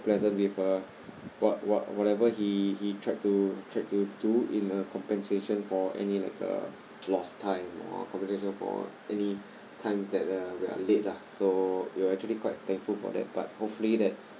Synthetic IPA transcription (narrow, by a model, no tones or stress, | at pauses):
plɛzə̃ntwifə | wɔt̚wɔtwɔtɛvəhihitʰɹaɪt̚tːutʰɹaɪt̚tuduĩnəkʰɔ̃mpɛ̃nseʃə̃nfɔɛ̰nilaɪkʰə̰ | lɔstʰãɪ̃mɔ̰kʰɔ̃mpɛ̃nseʃə̃nfɔ̰ʔɛni | tʰãɪ̃msdɛt̚əwia̰let̚lasowuɛk̚t͡ʃuəlikʰwaɪt̚t̪ɛ̃ŋkfulfɔ̰dɛ̰t̚b̥a̰t̚hopfulidɛt̚